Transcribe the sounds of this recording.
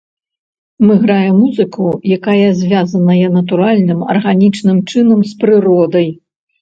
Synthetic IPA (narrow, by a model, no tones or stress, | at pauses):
mɨɣɾajɛmuzɨkʰujakajɐzʲvʲazɐnɐjɐnɐt̪uɾalʲnɨmɐ̰rɣanʲit͡ʂnɨmt͡ʂɨnɐmspɾɨɾɔd̪ɐj